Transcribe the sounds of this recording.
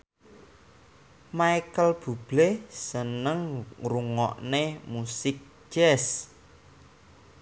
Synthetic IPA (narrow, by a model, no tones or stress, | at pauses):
majkəlb̥ṳb̥lesənəŋruŋɔ̰ʔnemusɪk̚ | ʒ̥ɛs